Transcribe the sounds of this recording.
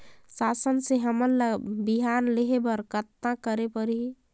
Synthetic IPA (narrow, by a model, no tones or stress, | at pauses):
sasənseɦəmənləbiɦanleɦebəɾkət̪nãkəɾepəɾi